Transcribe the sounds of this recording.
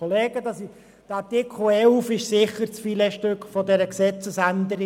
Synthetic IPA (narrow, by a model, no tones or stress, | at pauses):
oleːɡ̥əd̪ɑsi | d̥ɑtɪkʰl̩ɛlfɪʃsɪχəɾt͡sfilɛʃtʏkfɔdɛɾəksɛt͡səsænd̪əɾɪ